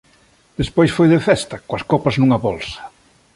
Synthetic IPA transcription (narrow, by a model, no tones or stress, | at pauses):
d̪̥espojsfojðefɛst̪ɐkoɐskopɐznuŋɐβolsɐ̥